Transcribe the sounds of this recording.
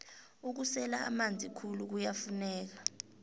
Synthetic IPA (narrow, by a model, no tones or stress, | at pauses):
uk̬usɛlaa̰mand͡zʱikʰuluk̬ujafunɛːk̬ḁ